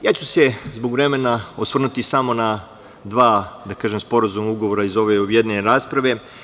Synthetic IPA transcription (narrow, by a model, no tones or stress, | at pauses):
jaːt͡ɕuse̞zboɡʋɾeme̞naosʋr̩nut̪isamo̞na | d̪ʋaːd̪akaːʒemspo̞ɾazumauɡoʋo̞ɾaizo̞ʋejed̪nenɾaːspɾaʋe̞